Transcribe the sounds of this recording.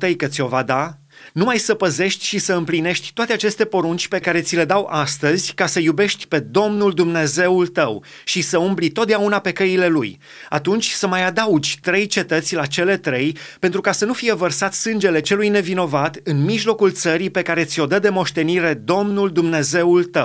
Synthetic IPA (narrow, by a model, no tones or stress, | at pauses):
t̪əjkət̪sʲio̞vad̪a | numajsəpəze̞ʃt̪ʲʃisəɨmpline̞ʃt̪ʲt̪oat̪e̞at͡ʃe̞st̪e̞po̞ɾunt͡ʃʲpe̞kaɾe̞t̪sʲile̞d̪awʔast̪əzʲkasəjube̞ʃt̪ʲpe̞d̪o̞mnuld̪umne̞ze̞ult̪əw | ʃisəumblit̪o̞t̪̚d̪eaunape̞kəile̞luj | at̪unt͡ʃʲsəmajad̪aud͡ʒʲt̪ɾe̞jt͡ʃe̞t̪ət̪sʲlat͡ʃe̞le̞t̪ɾe̞jpent̪ɾukasənufije̞vərsat̪sɨnd͡ʒe̞le̞t͡ʃe̞lujne̞vino̞vat̪ɨnmiʒlo̞kult̪səɾipe̞kaɾe̞t̪sʲio̞d̪əd̪e̞mo̞ʃt̪e̞niɾe̞d̪o̞mnuld̪umne̞ze̞ult̪əw